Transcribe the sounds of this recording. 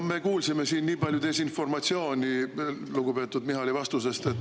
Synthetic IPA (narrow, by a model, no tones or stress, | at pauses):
me̞kuːlsime̞siːnːiːpɑlʲjut̪e̞sinfo̞rmɑt̪sio̞ːnʲiluɡ̥upe̞ːt̪ːˑud̪miɦɑlivɑst̪use̞st̪e̞t̪ːˑ